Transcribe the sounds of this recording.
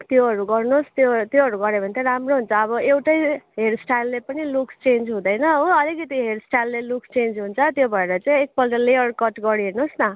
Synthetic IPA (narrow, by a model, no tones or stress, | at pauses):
t̪joɦʌɾuɡʌrnost̪jot̪joɦʌɾuɡʌɾebʱʌnt̪ʰeɾamroɦunt͡sʰʌːbʌewʈʌjɦeɽsʈajlːepʌnilukst͡send͡zɦũd̪ʌjnʌɦoʌlikʌt̪iɦeɾsʈajlːelukst͡send͡zɦunt͡sʰʌt̪jobʱʌeɾʌt͡saĩek̚pʌld̪ʌlejʌrkʌʈɡʌɽiɦernosnʌ